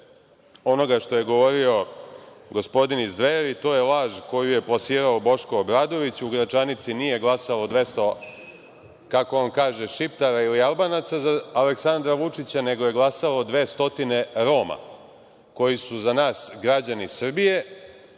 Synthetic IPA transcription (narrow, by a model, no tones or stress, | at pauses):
o̞no̞ɡaʃt̪o̞je̞ɡo̞ʋo̞ɾio̞ | ɡo̞spo̞d̪inizd̪ʋeɾit̪o̞ːje̞laːʒko̞juje̞plasiːɾaobo̞ʃko̞ːbɾaːd̪o̞ʋit͡ɕuɡɾat͡ʃanit̪sinije̞ɡlˠasalo̞d̪ʋe̞st̪o̞ | kako̞onkaːʒeʃipt̪aɾailialˠbanat̪sazaːleksand̪ɾaʋut͡ʂit͡ɕane̞ɡo̞je̞ɡlˠasalo̞d̪ʋe̞ːst̪o̞t̪ine̞ɾo̞ːma̰ | ko̞jisuzanaːsɡɾad͡ʑanisr̩bije̞